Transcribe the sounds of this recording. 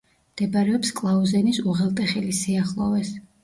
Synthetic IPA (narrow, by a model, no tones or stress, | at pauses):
md̪̥ɛbaɾɛɔpskʼlˠauzɛnisuʁɛlˠt̪ʼɛχɛlisiaχlˠɔvɛs